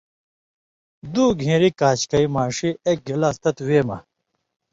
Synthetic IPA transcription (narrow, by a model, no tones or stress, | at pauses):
d̪uːɡʱẽːɾikaːt͡ɕkɐimaːʂiek̚ɡɐlaːst̪ɐt̪weːmɐ